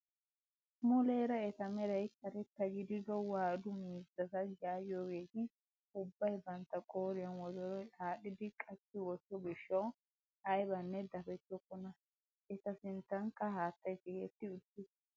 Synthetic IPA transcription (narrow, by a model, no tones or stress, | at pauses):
mʊleːɾɐɛt̪ɐmɛɾɐjk̪ːɐɾɛt̪ːɐɡɪd̪ɪd̪ɔwaːd̪ʊmiːzɐt̪ɐd͡ʒaːjoːɡeːt̪ɪ | ʊbːɐjbɐnt̪ːɐkʼoːɾɪjɐnwɔzɔɾɔjaːɗɪd̪ɪkʼɐt͡ʃːɪwɔtːɔbɪʃːɐw | ɐjbɐnːɛd̪ɐfɛt͡ʃːɔkːɔnɐ | ɛt̪ɐsɪnt̪ːɐŋkːɐɦaːt̪ːɐjsɪhet̪ːɪʊt̪ːɪ